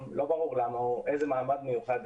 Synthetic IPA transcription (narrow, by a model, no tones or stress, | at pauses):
mlo̞baʁuʁlamaʔejzemaːmad̪mejuχad̪